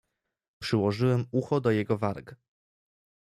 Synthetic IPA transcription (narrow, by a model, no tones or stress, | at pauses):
pʂɘwɔʐɘwɛmuxɔd̪ɔjɛɡɔvaɾk